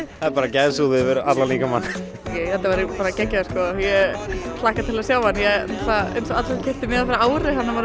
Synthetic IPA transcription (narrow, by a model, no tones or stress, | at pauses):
apaːɾacajðsuːðɪvɛɾat̪laliːkamanː | jeːjθɛt̪ːavɛɾɪpaːɾacɛkcːḁskɔjɛt̪lahkat̪ʰɪlasjaːwhanjɛaḛjnsɔat̪acʰɪht̪ɪmɪːðafɪɾɪɾaːwɾɪhanːavaɾ